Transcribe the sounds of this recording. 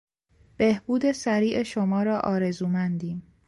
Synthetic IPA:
b̥ehb̥uːd̪e̞sæɾiːʔeʃomɒːɾɒːʔɒːɾe̞zuːmænd̪iːm

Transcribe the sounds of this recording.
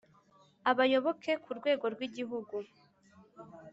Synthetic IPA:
aβajo̞βo̞ke̞kuɾɡwe̞ːɡo̞ɾɡwiɟiɦuɡu

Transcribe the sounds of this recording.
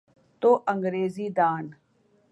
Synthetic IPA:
t̪oːʔəŋɡɾeːziːd̪aːn

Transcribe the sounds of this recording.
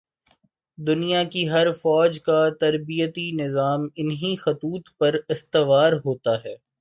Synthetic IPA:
d̪ʊnijakiɦɐɾfɔːd͡ʒkat̪ɐɾbijət̪inɪzaːmɪnɦixɐt̪uːt̪pɐɾɪst̪ɪʋaːɾɦoːt̪aɦɛː

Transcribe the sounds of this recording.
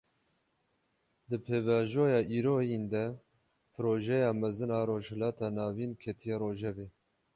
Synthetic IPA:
d̪ɨpʰeːvɑːʒoːjɑːʔiːɾoːjind̪ɛ | pʰɨɾoːʒɛjɑːmɛzɨnɑːɾoːʒhɛlɑːt̪ʰɑːnɑːviːnkʰɛt̪ʰijɛːɾoːʒɛveː

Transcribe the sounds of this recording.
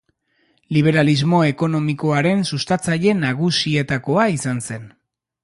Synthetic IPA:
liβ̞e̞ɾalizmo̞e̞ko̞no̞miko̞aɾe̞nsust̪at͡saʎe̞naɣusie̞t̪ako̞aisanse̞n

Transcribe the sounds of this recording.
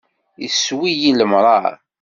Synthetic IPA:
jiswijiləmɾˤɑ̰ɾ

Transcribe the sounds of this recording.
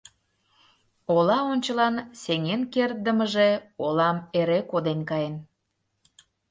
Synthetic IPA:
olɑonʲt͡ɕəlɑnseŋenkert̪̚d̪əməʒeolɑmeɾekod̪enkɑjen

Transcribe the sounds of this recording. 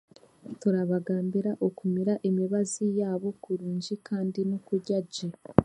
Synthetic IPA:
tuɾaβaɡaːmbiɾaʔokumiɾaʔemiβazijaːβo̞kuɾuːɲd͡ʒikʰaːndinokuɟaɟe

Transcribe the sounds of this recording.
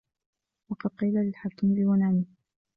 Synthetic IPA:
wɑqɑd̪̚qiːlalɪlħakːimbɪwanaːnɪ

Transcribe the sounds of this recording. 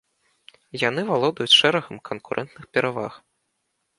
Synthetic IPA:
janɨvalˠɔd̪ɐjut͡sʲʂɛɾɐɣɐmkʰɐnkuɾʔɛ̰nt̪nɨxpʲɛɾava̰x

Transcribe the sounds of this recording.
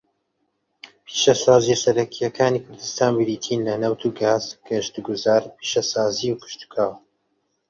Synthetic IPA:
pʰiːʃɐsaːzisɐɾɐkʰijɐkʰaːniːkʰʊɾd̪ɨst̪aːnbɨɾiːt̪ʰiːnlɐnɐwt̪ʰuɡaːzɡ̥ɐʃt̪uɡuzaːɾpʰiːʃɐsaːziwkʰɨ̥ʃt̪u̥kʰaːw

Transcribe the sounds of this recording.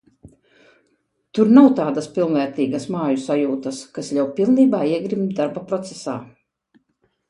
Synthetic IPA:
t̪uɾnawt̪aːd̪aspʲilˠnvɛːɾt̪iːɡasmaːjusajuːt̪ɐskaslʲawpʲilˠniːbaːiɛɡɾimd̪aɾbapɾɔt̪sesa̰ː

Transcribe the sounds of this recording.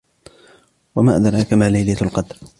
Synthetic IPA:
wamaːʔad̪ɑɾˤakamaːlajlalqɑd̪ɾ

